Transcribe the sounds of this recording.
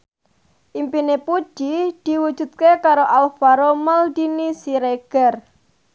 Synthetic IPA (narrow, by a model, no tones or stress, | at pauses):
ʔimpinepu̥ʒ̥id̪̥i̤wud̥ʒ̥ṳt̪̚kekaɾoʔalfaɾoməld̪inisiɾeɡ̥ər